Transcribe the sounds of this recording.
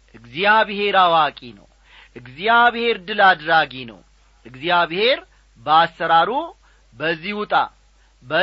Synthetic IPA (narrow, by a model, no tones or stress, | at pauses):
ʔɨɡzjaβhe̞ɾawakʼinə̰w | ʔɨɡzijaβhe̞ɾd̪ɨlad̪ɾaɡinə̰w | ʔɨɡzjaβhe̞ɾ | bəasːəɾaɾu | bəzːihut̪ʼa̰ | bə